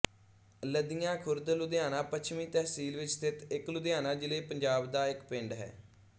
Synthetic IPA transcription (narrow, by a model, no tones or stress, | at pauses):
ləd̪ijãːkʰʊɾd̪əlʊd̪ɪjaːnãːpət͡ʃʰmĩːt̪ɛɦsiːlʋɪt͡ʃsɪt̪ɪklʊd̪jaːnãːd͡ʒɪleːpəɲd͡ʒaːbd̪aːɪkpɪ̃ɳɖɦɛ̰ː